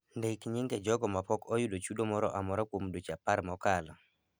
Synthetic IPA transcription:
ndekɲɪŋɡɛd͡ʒɔɡɔmapɔkɔjudot͡ʃudɔmɔɾɔ̰ʔamɔɾakomdot͡ʃapaɾmɔkalɔ

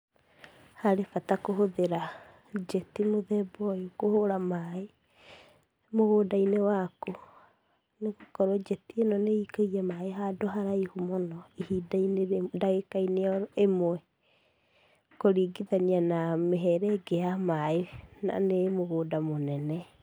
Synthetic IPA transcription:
haɾefatakoɦoðeɾa | d͡ʒɛtimoðɛbɔjokohoɾamae | moɣoːdainewako | neɣokɔɾɔd͡ʒɛtienɔneikaiɛmaeɦadoɦaɾaihumɔnɔihidaineɾedaɣekaineɔemoɛ | koɾiɡiðanianameɦɛɾɛɡejamaena̰nemoɣoːdamonɛnɛ

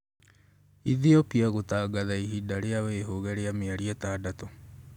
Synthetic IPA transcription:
iðiɔpiaɣotaːɡaðaiɦidaɾeaweːɦoɣɛɾeameaɾiɛtaːdatɔ

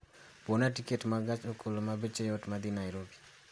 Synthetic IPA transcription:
ponatiketmaɡat͡ʃokʰolomabet͡ʃejotmad̪inajɾobi̥

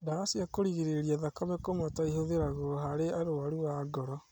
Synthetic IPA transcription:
daɣasiakoɾiɣeɾeɾiaðakaβɛkomataihoðeɾaɣoɦaɾeaɾoaɾuaɡɔɾɔ

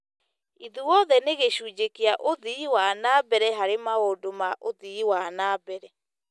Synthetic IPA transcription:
iðuwɔðɛneɣeɕuːd͡ʑekeaʔoðiiwanaːbɛɾɛɦaɾemaodomaʔoðiiwanaːbɛɾɛ

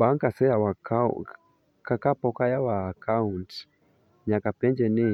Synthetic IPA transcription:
baŋkasɛjawaka | kakapokajawaːkaunt | ɲãkapɛnd͡ʒɛnĩ

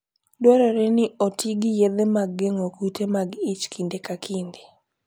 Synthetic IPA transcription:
dwɔɾɔɾɛnɪotiɡijed̪emaɡːeŋokutemaɡɪt͡ʃkʰindekakʰind̪i

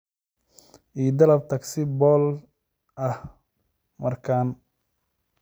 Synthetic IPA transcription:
ʔiːd̪ɐlɐb̚t̪ʰɐksɪbɔːl | ʔɐh | mɐrkʰaːn

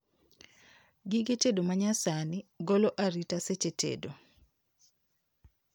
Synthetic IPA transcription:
ɡɪɡetedomaɲasanɪɡoloʔaɾitaset͡ʃetʰḛdo

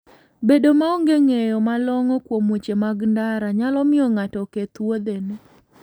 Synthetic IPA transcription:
bedomaoŋɡeŋejɔmalɔŋɔkwomot͡ʃemaɡndaɾaɲalɔmɪɔŋatɔket̪wod̪ene

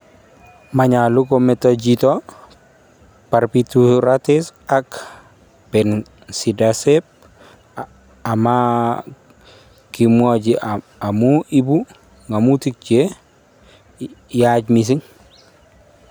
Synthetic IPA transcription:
maɲalukometad͡ʒito | paɾpituɾatisak | pɛn | sidasep̚ | ama | kimuad͡ʒi | amuʔibu | ŋamutik̚t͡ʃe | jad͡ʒmis̬iŋ

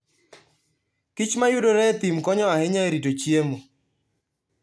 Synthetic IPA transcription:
kɪt͡ʃmajʊdoɾɛt̪imkɔɲɔahɪɲaeɾitot͡ʃjemo

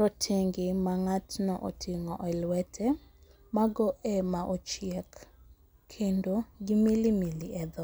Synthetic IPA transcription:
ɾɔtʰeŋɡemaŋatnɔ̰ʔo̰tʰiŋɔʔɔlwɛtʰɛ | maɡɔʔɛmaʔot͡ʃɪɛk | kʰːendoɡimilimiliɛd̪ɔ

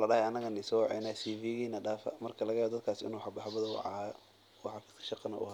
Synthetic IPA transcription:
lɐɖɐhɛɐnɐɣɐnɪsɔːwʕɛ̰nɐsiːviːɣiːnɐɖaːfɐ̰mɐrkʰɐlɐɣɐjawɔd̪ɐd̪kʰaːsɪ̰nuːħɑbɑħɑbɐðɐw̰ʕ | wɑħɑfi̥ːskʰɐ̥ʃɑqɑnɐʔʊ̰h

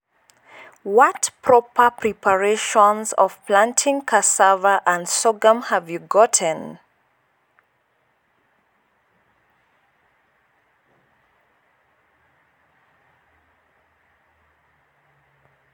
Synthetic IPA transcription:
wɔtpʰɹɔpʰəpʰɹipʰəɹeʃɔ̃nzɔ̰v̥pʰlãntʰɪ̃ŋkʰasavəʔə̃ndsɔɡə̃mhəvjuɡɔtʰə̃n

